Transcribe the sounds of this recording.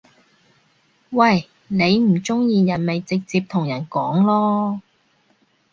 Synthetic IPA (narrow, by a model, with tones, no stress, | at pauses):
wɐ˨˩j | ne˨˧jm̩˨˩t͡sʊ˥ŋjiː˨jɐ˨˩nme˨jt͡sɪ˨k̚t͡siː˧p̚t̪ʰʊ˨˩ŋjɐ˨˩nkɔː˨˥ŋlɔː˥